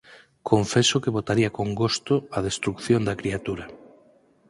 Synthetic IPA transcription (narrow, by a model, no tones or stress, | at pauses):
kʰoɱfesokeβot̪aɾiakoŋɡost̪oɐð̞est̪ɾukθjond̪ɐkɾiat̪uɾɐ